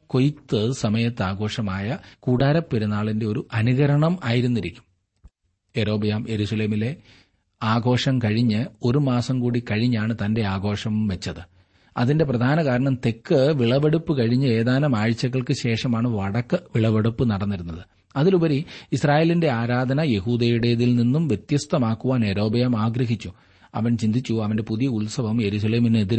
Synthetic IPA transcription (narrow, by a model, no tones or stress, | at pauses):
ko̞jt̪ːɨsɐmɐjɐt̪ːaːɡo̞ːʂɐmaːjɐkuːɽaːɾɐpːeɾunːaːɭinde̞o̞ɾuʔɐnuɣɐɾɐɳɐmaːjiɾunːiɾikʲːu̥m | e̞ɾo̞ːbijaːmje̞ɾusɐle̞ːmile̞ | aːɡo̞ːʂɐmkɐɻiɲːɨo̞ɾumaːsɐmkuːɽikɐɻiɲːaːɳɨt̪ɐnde̞aːɡo̞ːʂɐmʋet͡ɕːɐðɨ | ɐðinde̞prɐd̪ʱaːnɐkaːɾɐɳɐmt̪e̞kːɨʋiɭɐʋeɽupːɨkɐɻiɲːɨe̞ːðaːnɐmaːɻt͡ɕːɐɣːɐɭkɨɕe̞ːʂɐmaːɳɨʋɐɽɐkːɨʋiɭɐʋeɽupːɨnɐɽɐnːiɾunːɐðɨ | ɐðilubɐɾiisraːje̞ːlinde̞aːɾaːd̪ʱɐnɐje̞ɦuːd̪eːjuɽe̞ːðilninːumʋjet̪jɐst̪ɐmaːkːuʋaːneɾo̞ːbɐjɐmaːɡɾɐɦit͡ɕːu | ɐ̰ʋɐnt͡ɕind̪ʱit͡ɕːuɐʋɐnde̞puðijɐuɭsɐʋɐmje̞ɾus̬ɐle̞ːmineðiɾ